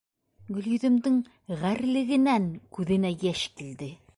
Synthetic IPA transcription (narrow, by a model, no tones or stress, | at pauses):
ɡɵ̆ljɵ̆ðɘ̆md̪ɘŋ | ʁæɾlɘ̆ɡɘ̆næŋkʉðɘ̆næjæʃkild̪ɘ